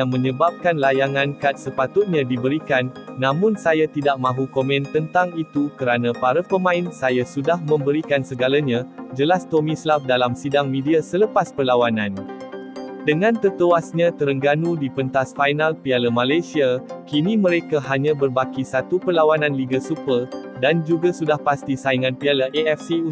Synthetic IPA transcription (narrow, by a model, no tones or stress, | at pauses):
jaŋmə̃ɲəbap̚kanlajaŋãnkat̪̚səpat̪ʊt̪̚ɲãdibəɾikanːãmʊnsajat̪idaʔ̚mãɦukomɛ̃nt̪ənt̪aŋit̪ukəɾanãpaɾapəmãɪnsajasudahmə̃mbəɾikansəɡalaɲãd͡ʒəlast̪omĩslaf̚dalamsidaŋmĩdiasələpaspərlawanãn | dəŋãnt̪ərt̪uasɲãt̪əɾəŋɡanudipənt̪asfajnalpialamãlajsiakinimə̃ɾekaɦaɲãbərbakisat̪upəlawanãnliɡasupərdand͡ʒuɡasudahpast̪isaiŋãnpialaʔeɛfsiu